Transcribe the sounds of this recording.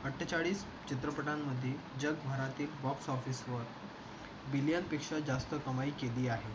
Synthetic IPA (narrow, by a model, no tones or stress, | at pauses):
əʈʰːət͡ɕaɭiːs | t͡ɕit̪ɾəpəʈamːəd̪ʱːje | d͡ʑəɡbʱaɾat̪iːlbɔbsɔfiːsʋəɾ | biljanpekʂad͡zast̪əkəmaiːkeliːaɦe